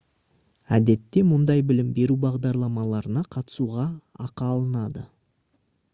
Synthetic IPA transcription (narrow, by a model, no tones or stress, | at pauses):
æd̪e̞t̪ːe̞mʊnd̪ɑjbɪlɪmbe̞ɾubɑʁd̪ɑɾlˠɑmɑlˠɑɾənɑqʰɑt̪ə̥suʁɑɑqɑːlˠənɑd̪ə